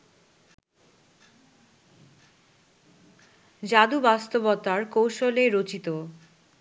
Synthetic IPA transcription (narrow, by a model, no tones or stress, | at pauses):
d͡ʑad̪ubast̪obɔt̪aɾkowʃoleɾot͡ɕit̪o